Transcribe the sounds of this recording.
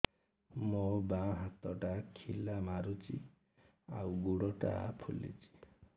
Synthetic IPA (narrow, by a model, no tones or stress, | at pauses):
mobãɦat̪ɔʈakʰilamaɾut͡ʃḭ | a̰wɡuɽɔʈa̰pʰulḭt͡ʃi̥